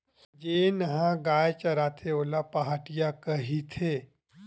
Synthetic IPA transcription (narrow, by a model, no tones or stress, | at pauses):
d͡ʒeːnɐɦãɡaːjt͡ʃɐɾaːt̪ʰeoːlapaɦaːʈijakɐɦit̪ʰeː